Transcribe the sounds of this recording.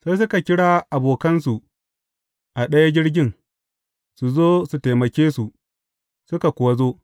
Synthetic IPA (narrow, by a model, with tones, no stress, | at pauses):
sa˦js̬ʊ˦ka˨kʲɪ˦ɽaː˦ʔa˨boː˨kɐ˦nsu˨ | ʔa˨ɗɐ˦ja˦d͡ʒʲɪ˦ɽɡʲɪ˦ŋ | su˨zoː˦su˨ta˨mɐ˨kʲeː˦su˨ | sʊ˦ka˨kʷʊ˨ɐ˦zoː˦